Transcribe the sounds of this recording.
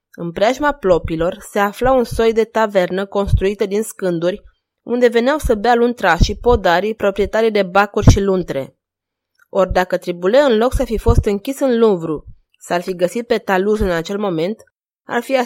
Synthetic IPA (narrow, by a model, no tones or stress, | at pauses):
ɨnpɾeaʒmaplo̞pilo̞rse̞aflaunso̞jd̪e̞t̪ave̞rnəko̞nst̪ɾuit̪əd̪inskɨnd̪urʲ | und̪e̞ve̞neawsəbealunt̪ɾaʃipo̞d̪aɾipɾo̞pɾie̞t̪aɾid̪e̞bakurʲʃilunt̪ɾe̞̰ | o̞rʲd̪akət̪ɾibule̞ɨnlo̞ksafifo̞st̪ɨŋkʲisɨnluɱvɾu | sarfiɡəsit̪̚pe̞t̪aluzɨnat͡ʃe̞lmo̞me̞nt̪ | a̰rfia